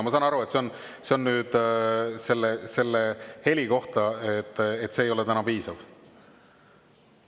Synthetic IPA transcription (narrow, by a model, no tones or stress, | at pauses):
mɑsɑnɑɾue̞t̪seo̞n | se̞o̞nnyːd̪̥se̞lːese̞lːehe̞lʲiko̞ht̪ɑet̪ːˑet̪ːse̞ːjo̞lɛt̪ænɑpiːsɑv